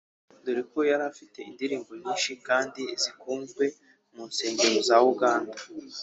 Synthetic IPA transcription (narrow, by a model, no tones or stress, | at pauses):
duɾikojaɾafite̞indiɾiːŋɡo̞ɲiːnʃikaːndizikuːŋɡwe̞ | munse̞ːɲɟe̞ɾozawuɡaːnda